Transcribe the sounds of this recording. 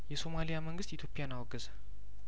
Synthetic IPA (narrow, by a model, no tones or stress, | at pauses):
jɛso̞malijaməŋɡɨst̪it̪ʰjopʰijanawɔɡɨzə